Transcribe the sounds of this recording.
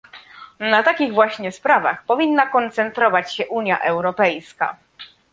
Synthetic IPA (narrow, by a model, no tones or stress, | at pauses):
nat̪akʲiɣvwaɕɲɛspɾava̰xpɔvʲinːakɔnt̪sɛnt̪ɾɔvat͡ɕɕɛʔuɲja̰ʔɛwɾɔpɛjska̰